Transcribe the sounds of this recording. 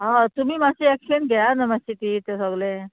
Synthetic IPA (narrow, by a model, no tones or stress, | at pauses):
ɦat̪um̤iːmasiɛkɕənɡʱɛjanəməstit̪iːt̪esəɡle